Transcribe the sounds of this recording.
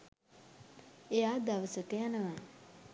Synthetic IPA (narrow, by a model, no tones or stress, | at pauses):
ejaːd̪aʋəsəkəjanəʋa